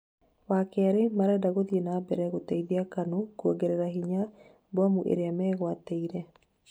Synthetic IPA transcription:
wakɛaɾemaɾɛdaɣoðienaːbɛɾɛɣotɛiðiakanokɔɡeɾɛɾaɦiɲa | bwamuʔḛɾeamɛːɣwateiɾɛ

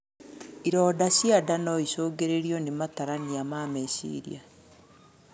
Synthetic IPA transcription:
iɾɔdasjadanɔisoːɡeɾeɾijɔnemataɾaniamamesḭɾḭa

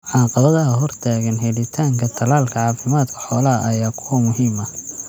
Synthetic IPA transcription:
ʕɑːqɑβɐðɐɦɐɦɔrt̪ʰaːɣɐnɦɛlɪt̪ʰaːŋkʰɐt̪ʰɐlaːlkʰɐʕɑːfɪmaːd̪kʰʊħɔːlɐɐʔɐjaːkʰʊwɐmʊɦiːmɐ

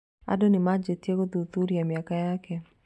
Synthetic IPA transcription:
a̰donɪmad͡ʒetjeɡod̪ut̪uɾjamjakajake

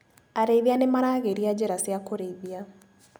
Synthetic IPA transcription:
aɾeiðianemaɾaːɣeɾiad͡ʒeɾasjakoɾeiðia

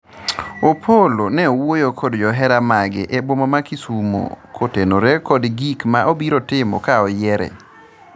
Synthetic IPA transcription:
opʰolonɛowojokʰodd͡ʒɔɦɛɾamaɡɪ̰ʔebwomamakisumo̰kʰotenoɾekodɡikmaʔobiɾotɪmɔ̰kaɔjɛɾɛ̰

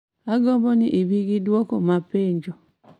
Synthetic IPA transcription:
aɡɔbɔniʔiβiɡiduɔkomapeɲd͡ʒɔ

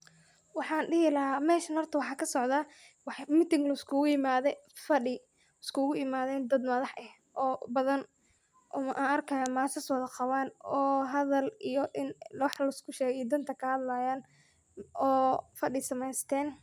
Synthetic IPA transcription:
wɑħɑːnɖɪɦɪlɐɦaːmɛːʃɐnhɔrt̪ʰɐwɑħɑːkʰɐsɔʕðaː | wɑħmɪt̪ɪŋɡlɐɪskʰʊɣʊjɪmaːðɛfɐɖɪ | ɪskʰʊɣʊɪmaːðɛːnd̪ɐd̪mɐðɑħʔɛh | ʔɔːbɐðɐn | ʔʊ̰mɐʔaːnɐrkʰɐjaːmaːsɐswɐðɐqɑwaːnɔːɦɐðɐlijɔʔɪnlwɑħlɐɪskʰʊʃɛːɣɛijd̪ɐnt̪ʰɐkʰɐhɐd̪lajaːn | ɔːfɐɖɪsɐmɛjst̪ʰɛːn

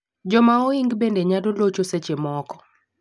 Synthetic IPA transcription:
d͡ʒɔmaɔiŋɡbendeɲadolot͡ʃoset͡ʃemɔkɔ̥

